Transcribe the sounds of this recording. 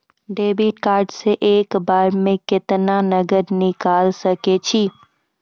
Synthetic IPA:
ɖeːbiːʈkaːɾɖseʔeːkbaːɾmẽkɪt̪nanɐɡəɾnɪkaːlsɐket͡ʃʰi

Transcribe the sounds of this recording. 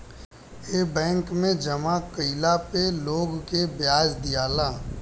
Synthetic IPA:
eːbɛ̃ːŋkmẽd͡ʒɐmakəɪlapeloːɡkebjaːd͡ʒd̪ijaːlaː

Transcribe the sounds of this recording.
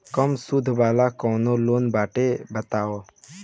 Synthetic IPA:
kəmsʊd̪ʱʋaːlakɔ̃ːnoloːnbaːʈebət̪aːoː

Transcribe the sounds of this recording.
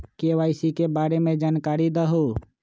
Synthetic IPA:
keʋaːɪsikebaːɾemẽd͡ʒaːnkaːɾid̪əɦo

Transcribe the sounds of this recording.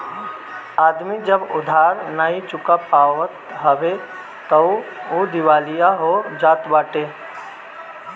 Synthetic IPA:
aːd̪mid͡ʒəbʊd̪ʱaːɾnaːit͡ʃʊkapaːʋət̪ɦəʋe | t̪əod̪ɪʋaːlijaɦod͡ʒaːt̪baːʈe

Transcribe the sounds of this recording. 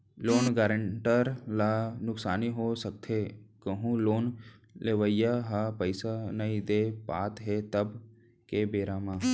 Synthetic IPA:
loːnɡaːɾəɳʈəɾlaːnʊksaːniɦosək̚t̪ʰekəɦũloːnleʋəjaɦaːpəɪsanɐĩd̪eːpaːt̪ɦet̪əb | kebeːɾaːmãː

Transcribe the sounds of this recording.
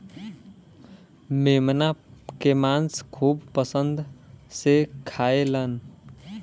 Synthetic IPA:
memnakemanskʰubpəsənd̪ʱsekʰaelən

